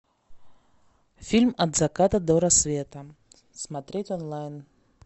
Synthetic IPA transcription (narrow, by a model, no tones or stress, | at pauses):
fʲilʲmɐd̪zakat̪əd̪ɔɾɐsvʲet̪ə | smat̪ɾʲetʲɔnlˠajn